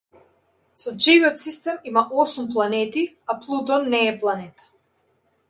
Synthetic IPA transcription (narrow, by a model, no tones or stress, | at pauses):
sɔʒiviɔt̪sist̪ɛmimaʔɔsumplˠanɛt̪i | aplˠud̪ɔnːɛːplˠanɛt̪ḁ